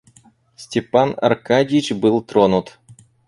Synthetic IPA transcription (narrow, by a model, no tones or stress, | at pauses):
sʲtʲɪpanɐ̰rkadʲɪjɪt͡ɕbɨlˠt̪ɾonut̪